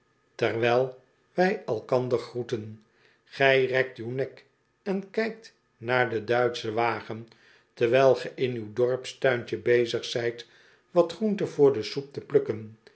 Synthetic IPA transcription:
tɛrʋɛlˠ | ʋɛjɛlˠkɑnd̪əɹχrutən | χɛjrɛk̚tywnɛk | ɛnkɛjk̚t | naːɹdədœɥtsəʋaːχən | təʁʋɛlˠχəʔɪnywdɔɹpstœɥɲt͡ʃəbejzəχsɛjt | ʋɑtχruntəvʊːɹdəsup̚təplɵkən

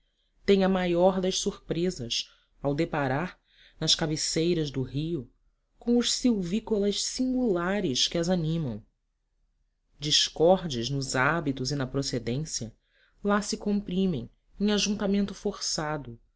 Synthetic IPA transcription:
t̪ẽj̃ɐmajɔɾd̪ɐʃsuɾpɾezɐs | awd̪epaɾaɾ | nɐʃkabesejɾɐʒd̪ʊɦiʊ | kõw̃ʊʃsiwvikolɐʃsĩŋɡulaɾɪʃkɪɐzanĩmɐ̃w̃ | d͡ʒiʃkɔɾd͡ʒɪznʊzabit̪ʊzinɐpɾosed̪ẽsjɐ | lasɪkõmpɾĩmẽj̃ | ẽŋaʒũnt̪amẽnt̪ʊfoɾsad̪ʊ

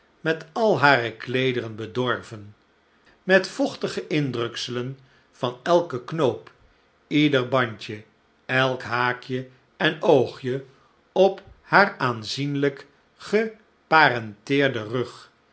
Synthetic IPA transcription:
mɛtɑlˠɦaːrəklejdərənbədɔɹvən | mɛtfɔχtəχəʔɪndrɵksələn | v̥ɑnɛlˠkəknowp | idəɹbɑɲcə | ɛlˠkɦaːkjə | ɛnowχjə | ɔphaːɹaːnzinlək | χə | paːrɛntɪːɹdərøχ

